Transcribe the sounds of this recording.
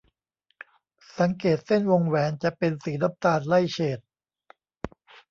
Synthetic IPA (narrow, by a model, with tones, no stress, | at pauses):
sa˩˦ŋkeː˨˩t̪̚se˥˩nwo˧ŋwɛː˩˦nt͡ɕa˨˩ʔpe˧nsiː˩˦na˦˥p̚t̪aː˧nla˥˩jt͡ɕʰeː˨˩t̪̚